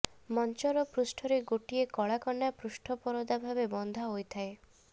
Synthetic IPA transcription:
mɔnt͡ʃɔɾɔpɾusʈʰɔɾeɡoʈiekɔɭakɔɳːapɾusʈʰɔpɔɾɔd̪abʱabebɔnd̪ʱaɦojt̪ʰae

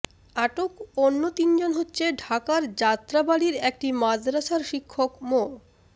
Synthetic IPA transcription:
aʈokonːot̪ind͡ʑonɦotːɕʰeɖʱakaɾd͡ʑat̪ːɾabaɽiɾek̚ʈimad̪ɾaʃaɾʃikʰːokmo

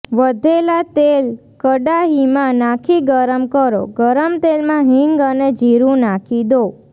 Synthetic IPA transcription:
ʋəd̪ʱelat̪el | kəɖaɦimãnakʰiɡəɾəmkəɾo̰ɡəɾəmt̪elmãɦiŋɡəned͡ʒʱiɾũnakʰid̪o

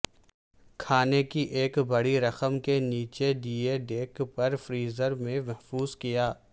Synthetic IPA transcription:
kʰaːnekiʔeːkbɐɽiɾɐxəmkeniːt͡ʃeɖiːeɖeːkpɐɾfɾiːzəɾmẽmɛɦfuːzkijaː

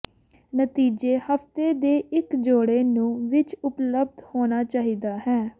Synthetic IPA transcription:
nət̪iːd͡ʒeːhəft̪eːd̪eːʔɪkd͡ʒoːɽeːnũːʋɪt͡ʃʊpləbd̪hoːnaːt͡ʃaːɦiːd̪aːɦɛː

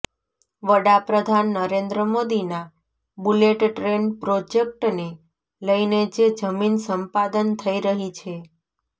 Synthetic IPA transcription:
ʋəɽapɾəd̪ʱanːəɾend̪ɾəmod̪ina | buleʈʈɾenpɾod͡ʒek̚ʈne | ləined͡ʒed͡ʒəminsəmpad̪ənt̪ʰəiɾəɦit͡ʃʰe

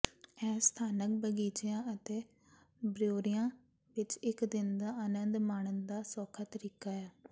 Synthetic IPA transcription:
ɛ̃ːst̪ʰaːnək̚bəɡiːt͡ʃɪjãːət̪eː | bɾjoːɾɪjãː | ʋɪt͡ʃɪkd̪ɪnd̪aːʔanənd̪maːɳ̃ənd̪aːsɔːkʰaːt̪əɾiːkaːaː

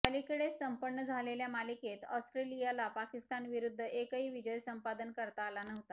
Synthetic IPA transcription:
kəlikəɽesːəmpəɳɳːəd͡zʱaleljamaliket̪ɔsʈɾelijalapakist̪anʋiɾud̪ʱːəʔekəɦiːʋid͡ʑəjsəmpad̪ənkəɾt̪aːlanəɦt̪a

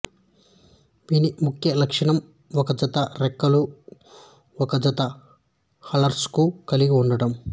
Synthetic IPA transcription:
ʋiːnimukʰjɐlɐkʂɐɳɐm | ɔkɐd͡ʒɐt̪ɐɾɛkːɐlu | ɔkɐd͡ʒɐt̪ɐ | hɐlɐɾskukɐliɡiuɳɖɐɽɐm

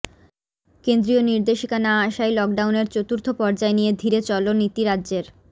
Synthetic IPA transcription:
kend̪ɾijoniɾd̪eʃikanaaʃajlɔk̚ɖawneɾt͡ɕot̪uɾt̪ʰopɔɾd͡ʑaenijed̪ʱiɾet͡ɕɔlonit̪iɾadːʑeɾ

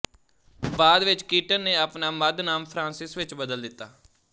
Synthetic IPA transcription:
baːd̪ʋɪt͡ʃkiːʈənːeːaːpnaːməd̪naːmpʰɾãːnsɪsʋɪt͡ʃbəd̪əld̪ɪt̪ːaː

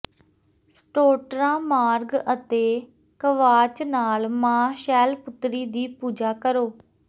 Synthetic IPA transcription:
sʈoːʈɾãːmaːɾɡət̪eː | kəʋaːt͡ʃnaːlmãːʃɛːlpʊt̪ɾiːd̪iːpuːd͡ʒaːkəɾoː

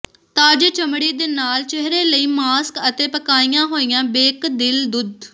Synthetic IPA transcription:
t̪aːd͡ʒət͡ʃəmɽiːd̪eːnaːlt͡ʃeɦɾeːləiːmaːskət̪eːpəkaːijãːɦoːijãːbeːkd̪ɪld̪ʊd̪

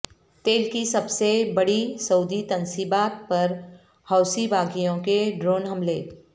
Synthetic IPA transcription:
t̪eːlkisɐbsebɐɽisɐʊd̪it̪ɐnsibaːt̪̚pɐɾ | hɐːʊsibaːɡijõkeɖɾoːnɦɐmleː

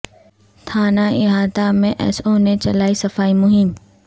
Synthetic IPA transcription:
t̪ʰaːnaɪɦaːd̪amẽʔɛ̰soːnẽt͡ɕɐlaːisɐfaːimʊɦɪm

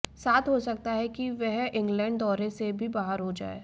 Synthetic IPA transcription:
saːt̪ʰɦosɐk̚t̪aɦɛkiʋɛɦɪ̃ŋɡlɛ̃ːɳɖ̚d̪ɔːɾesebʱibaːɦəɾɦod͡ʒa̰ːḛː

